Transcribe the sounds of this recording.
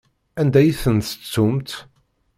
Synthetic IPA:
ænd̪æjθənt̪ət͡sːumt̪

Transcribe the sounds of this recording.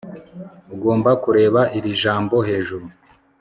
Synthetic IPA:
uɡo̞ːmbakuɾe̞ːβaʔiɾiʒaːmbo̞he̞ːʒuɾu

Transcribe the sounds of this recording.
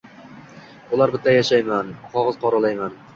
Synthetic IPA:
ʊlˠaɾbɪt̪ːajaʃajmanχɒʁɨz̥qʰɒɾalajman

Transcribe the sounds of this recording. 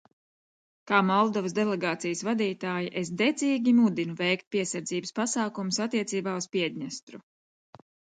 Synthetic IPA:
kaːmɔlˠd̪ɔvəsd̪ɛlˠɛɡaːt̪sijəsvad̪iːt̪aːjiʔesd̪ɛd̪ziːɡʲimud̪inuvɛjkt̪̚piɛsaɾd̪ziːbəspasaːkumusat̪ːiɛt̪siːbaːuspiɛd̪ʲɲast̪ɾu

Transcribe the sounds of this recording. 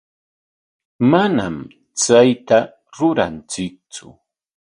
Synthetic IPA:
mana̰m | t͡sajt̪a | ɾʊɾa̰nt͡sɪk̚t͡sʊ̰

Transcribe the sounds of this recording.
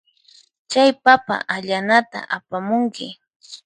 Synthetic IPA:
t͡ʃajpapa̰ʔaʎanat̪a̰ʔapamʊŋkɪ

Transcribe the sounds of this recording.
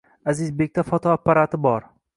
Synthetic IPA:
azɪzbek̚ʲt̪ʰafɒt̪ʰɒapːaɾat̪ʰɪbɒɾ

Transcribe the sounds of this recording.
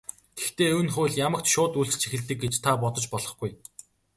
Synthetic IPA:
ɡ̪ext̪eːɵwɘ̆nχʊːɮjamə̆kt̪ʃʊːt̪uɬt͡ɕt͡ɕʰixɘ̆ɮt̪ɘ̆k̚ɡet͡ɕt̪ʰapɔt̪ɞ̆t͡ɕpɔɮɞ̆χɡuj

